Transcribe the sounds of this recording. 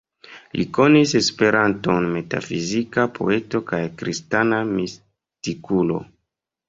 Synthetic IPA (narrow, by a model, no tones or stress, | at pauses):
lʔiko̞nise̞spe̞ɾʔanto̞nme̞ta̰fizikapʰo̞̰e̞to̞kajkɾistanamis | tikulo̞̰